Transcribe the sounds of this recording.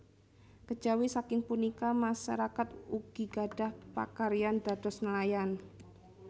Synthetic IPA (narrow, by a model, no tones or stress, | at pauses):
kə̥d͡ʒawisakɪŋpunikamaʃa̰ɾakat̪uɡ̥iɡaɖ̥a̤hpa̰kaɾiand̥a̤d̪̥ɔsnəlajan